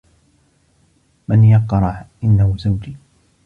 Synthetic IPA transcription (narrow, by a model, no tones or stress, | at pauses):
manjɑqːɑɾˤɑħʔɪnːahʊzawd͡ʒiː